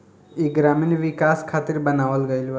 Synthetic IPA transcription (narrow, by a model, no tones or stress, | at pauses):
iɡɾaːminʋɪkaːskʰaːt̪iɾbɐnaːʋəlɡəjilʋ